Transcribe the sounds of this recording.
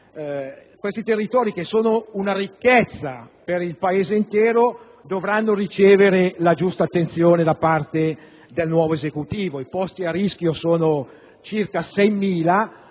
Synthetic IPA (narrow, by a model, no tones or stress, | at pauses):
kwest̪it̪erːit̪ɔːɾikesoːnounarikːɛt̪sːapeɾilpaeːzeint̪ɛːɾo | d̪ovɾanːorit͡ʃeːveɾelad͡ʒust̪aːt̪ːent̪sjoːned̪apart̪e | d̪elnwɔːvoezekut̪iːvoipɔst̪iarisk̟josoːno | t͡ʃirkasɛjmiːla